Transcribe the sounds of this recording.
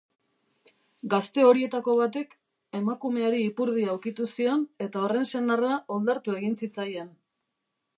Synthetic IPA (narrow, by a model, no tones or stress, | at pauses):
ɡast̪e̞o̞ɾie̞t̪ako̞β̞at̪̬ek | e̞makume̞aɾiːpuɾð̞iawkit̪usio̞ne̞t̪ao̞re̞nse̞narao̞ld̪aɾt̪ue̞ɣinsit͡sajen